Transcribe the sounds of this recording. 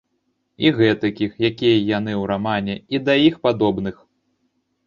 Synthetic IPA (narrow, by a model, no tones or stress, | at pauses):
iɣɛt̪ɐkʲixjakʲijɐjanɨwɾamanʲɛid̪ɐjixpad̪ɔbnɨx